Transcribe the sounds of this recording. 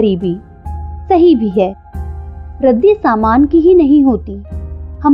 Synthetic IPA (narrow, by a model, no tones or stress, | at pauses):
ɾiːbʱiː | sɐɦibʱiɦɛː | ɾɐd̪isaːmaːnkiɦinɐɦĩɦoːt̪iːhɐm